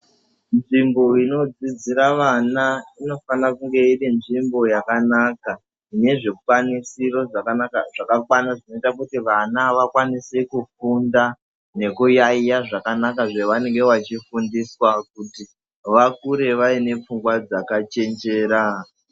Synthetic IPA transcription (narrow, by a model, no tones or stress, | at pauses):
nʐimbo̞ino̞d͡zid͡ziɾaʋanaino̞fanakuŋɡe̞irinʐimbo̞jakanaka | ine̞ʐe̞wanisiro̞ʐakanaka̰ʐakakwanaʐino̞itakutiʋanaʋakwanise̞kufunda | ne̞kujaijaʐakanakaʐeʋane̞ŋɡe̞ʋat͡ʃifundiswakuti | ʋakuɾe̞ʋaine̞p͡fuŋɡwad͡zakat͡ʃe̞nd͡ʒe̞ːɾa